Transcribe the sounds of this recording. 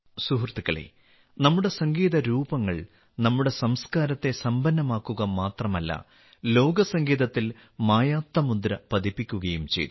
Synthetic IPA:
suɦrt̪ikːɐɭḛː | nɐmːuɽe̞sɐŋɡiːðɐɾuːbɐŋːɐɭ | nɐmːuɽe̞sɐmskaːɾɐt̪ːe̞sɐmbɐnːɐmaːkːuɣɐmaːt̪rɐmɐlːɐ̰ | lo̞ːɡɐsɐŋɡiːðɐt̪ːil | maːjaːt̪ːɐmund̪ɾɐpɐd̪ipːikʲːuɣɐjumt͡ɕe̞̰jt̪ːu

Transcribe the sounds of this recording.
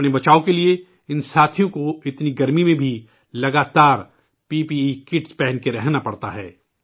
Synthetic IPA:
nebɐt͡ʃaːokelie | ɪnsaːt̪ʰijõkoɪt̪niɡɐɾmimẽbʱi | lɐɡaːt̪aːɾ | piːpikɪʈspɛɦɛ̃nkeɾɛɦnapɐɽt̪a̰ɦɛː

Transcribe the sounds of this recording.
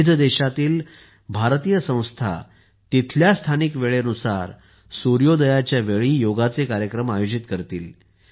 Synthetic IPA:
d̪ʱd̪eɕat̪iːl | bʱaɾt̪ijəsə̃w̃st̪ʰa̰ | t̪it̪ʰljast̪ʰanikʋeɭeənusa̰ɾ | suɾjod̪əjat͡ɕjaʋeɭiːjoɡat͡sekaɾjəkɾəmajod͡ʑit̪kəɾt̪iːl

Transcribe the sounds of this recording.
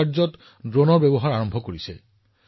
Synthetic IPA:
ɹzɔt | dɹonɔɹbɛbɔɦaɹaɹɔmbʱɔkoɹisɛ̰

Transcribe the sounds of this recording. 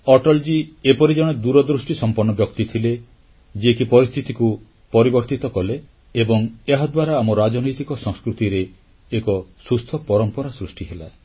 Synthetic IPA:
ɔʈɔld͡ʒiepɔɾid͡ʒɔɽ̃ed̪uɾɔd̪ɾusʈisɔmpɔɾnɔbjɔkt̪it̪ʰile | d͡ʒiekipɔɾist̪ʰit̪iku | pɔɾibɔɾt̪it̪ɔkɔle | ebɔŋeɦad̪waɾaːmɔɾad͡ʒɔnɔjt̪ikɔsɔ̃ŋskɾut̪iɾeː | kɔsust̪ʰɔpɔɾɔmpɔɾasɾusʈiɦela

